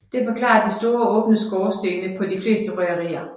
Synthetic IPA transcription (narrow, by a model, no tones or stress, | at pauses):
d̥e̝fɒ̽kʰlɑ̰̈ːɐd̥isd̥o̝ːɐɔ̽ːb̥nəsɡ̥ɒːsd̥e̝ːnəpʰɒ̽d̥ifle̝̰ːsd̥əʁɛɐʁḭːɐ